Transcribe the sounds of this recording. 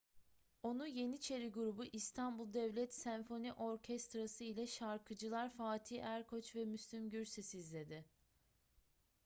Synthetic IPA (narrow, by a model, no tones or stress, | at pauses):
o̞nuje̞nit͡ʃʰe̞ɾiɡuɾubuʔist̪ʰanbulˠd̪ɛvlʲɛt̪sænfo̞niʔo̞ɾcʰɛst̪ɾasɯilʲɛʃaɾkʰɯd͡ʒɯlˠaɾfaːt̪ʰiːæɾkʰo̞t͡ʃvɛmyslʲimɟyɾsisizlʲe̞d̪ɪ